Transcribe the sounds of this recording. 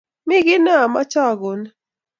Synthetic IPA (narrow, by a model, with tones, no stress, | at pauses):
mɪ˦ɡɪ˦na˦˨ma̰˦t͡ʃa˦˨ɡo˨n